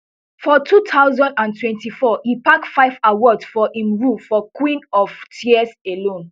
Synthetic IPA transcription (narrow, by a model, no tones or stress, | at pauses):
fɔtʰutʰaʊzɔ̃ndãntʰwɛ̃ntifɔhipaktfaɪvawɔdsfɔĩmɹufɔkwĩnɔvtʰiɛselõn